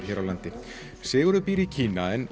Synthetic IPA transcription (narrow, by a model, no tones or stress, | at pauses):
ɾ̥çɛːɾawlant̪ɪ | sɪːɣʏɾʏpiːɾicʰiːnaɛn